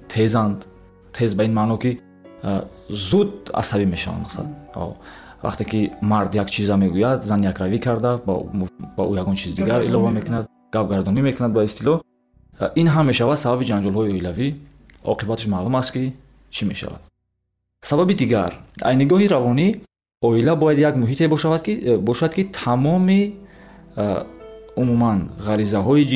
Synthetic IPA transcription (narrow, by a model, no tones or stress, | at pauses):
t̪ʰezand̪ | t̪ʰe̞zbainmanɔki | zud̪a̰sabime̞ʃava̰nd̪masa̰a̰ɔ̰va̰χt̪ekimaɾd̪jakt͡ʃʰizame̞ɡujad̪zanjakɾavikʰaɾd̪ab̰baujaɡɔnt͡ʃʰizid̪iɡaɾḭlɔvame̞kʰunad̪ | ɡ̥ap̚ɡaɾd̪ɔnime̞kʰunad̪̚baist̪ilɔ | inɦamːe̞ʃavad̪sababid͡ʒand͡ʒɔlɦɔiɔilavi | ɔ̰qʰibat̪ʰəʃmalumast̪ki | t͡ʃʰime̞̰ʃa̰va̰d̪̥̚ | sababid̪iɡa̰ɾa̰jniɡɔɦiɾavɔni | ɔilabɔjad̪jaɡmuɦit̪ʰe̞bɔʃavad̪kibɔʃad̪kʰit̪ʰamɔmi | umumanʁaɾizaɦɔid͡ʒ